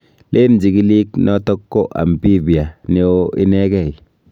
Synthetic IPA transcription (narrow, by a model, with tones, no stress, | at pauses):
lʔe˦md͡ʒi˨ɡi˦li˦knɔ˦tɔ˦kːo˦ʔa̰˨mbi˦bi˨a˨ne˦o˦i˦nɛ˦kɛ˨i˨